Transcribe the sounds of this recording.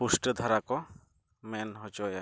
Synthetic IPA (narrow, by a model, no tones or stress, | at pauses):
pusʈəd̪ʱaɾakɔ | mɛnɦɔt͡ʃɔja